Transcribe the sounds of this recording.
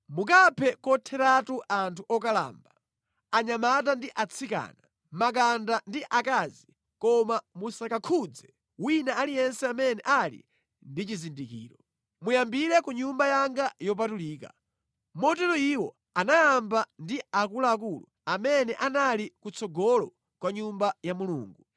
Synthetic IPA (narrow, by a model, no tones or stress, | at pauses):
muk̬apʰɛkɔtʰɛɾatuʔantʰuʔɔkala̰ːmba | aɲamat̬andiʔat͡sʰika̰na | mak̬andandiʔakazi | kɔmamusakakʰud͡zɛ | winaalijɛnsɛamɛnɛ̰ʔalḭ | ndit͡ʃizindikḭːɾɔ | mujambiɾɛkuɲumbajaŋɡajɔp̬atuliːka̰ | mɔt̬ɛlɔiwɔ | anajambandiak̬ulaːk̬ulṵ | amɛnɛʔanalikut͡sʰɔɡɔlɔ | kwaɲumbajamulṵːŋɡu